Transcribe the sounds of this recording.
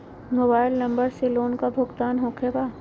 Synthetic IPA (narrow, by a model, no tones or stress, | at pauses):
moːbaːɪlnɐ̃mbəɾseloːnkabʱʊɡt̪aːnɦõːkʰebaː